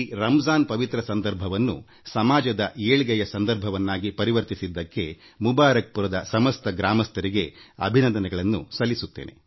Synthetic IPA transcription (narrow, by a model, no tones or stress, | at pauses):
ɾɐmzaːnpɐʋit̪ɾɐsɐnd̪ɐɾbʱɐʋɐnːṵ | sɐmaːd͡ʒɐd̪ɐʔeːɭɡɐjɐsɐnd̪ɐɾbʱɐʋɐnːaːɡipɐɾiʋɐɾt̪isid̪ːɐkːe̞ | mubaːɾɐk̚puɾɐd̪ɐsɐmɐst̪ɐɡɾaːmɐst̪ɐɾiɡe̞ɐ̰bʱinɐnd̪ɐnɛɡɐɭɐnːṵsɐlːisut̪ːe̞̰ːnʔe̞̰